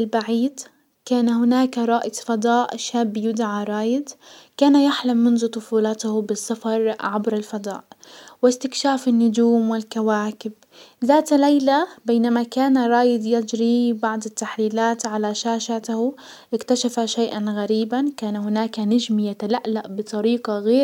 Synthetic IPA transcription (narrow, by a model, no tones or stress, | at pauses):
ɪlbaʕiːd̪ | kaːnahʊnaːkɾˤɑːʔɪt̪ˤfɑd̪ˤɑːʔʃaːbːjʊd̪ʕaɾˤɑːjɪd̪kaːnajaħlamːʊnðʊt̪ˤʊfuːlɑt̪hbɪsːɑfɑɾˤʕabɾalfɑd̪ˤɑ̰ːʔwɪst̪ɪkʃaːfɪnːʊd͡ʒuːmwɪlkawaːkɪb̚ | ðaːt̪lajlabeːnamakaːnaɾˤɑːjɪd̪ˤjɪd͡ʒɾibɑʕd̪ˤɪt̪ːaħliːlaːt̪ʕalaʃaːʃat̪h | ʔɪkt̪aʃafaʃajʔanɣaɾiːbankaːnaɦʊnaːkanad͡ʒmjat̪alaʔlaʔbɨt̪ˤɑɾiːqɑɣeː